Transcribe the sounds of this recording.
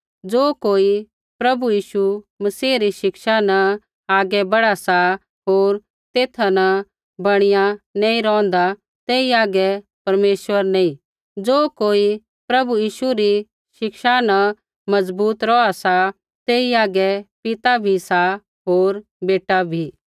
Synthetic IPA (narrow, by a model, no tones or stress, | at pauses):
d͡zoːkoːi | pɾɐbujiːʃumɐsiːɾiʃɪkʃanɐ̃ | aːɡɛbɐɽasa | ɦoːɾ | t̪eːt̪ʰanɐ | bɐɽ̃ɪjãnɐ̃ĩɾɔ̃ːn̆d̪a | t̪eːiaːɡɛ | pɐɾmeːʃʋəɾnɐĩ | d͡zoːkoːi | pɾɐbujiːʃuɾi | ʃɪkʃanɐ | mɐd͡zbuːt̪ɾɔasa | t̪eːiaːɡɛpɪt̪abʱisa | ɦoːɾ | beːʈabʱiː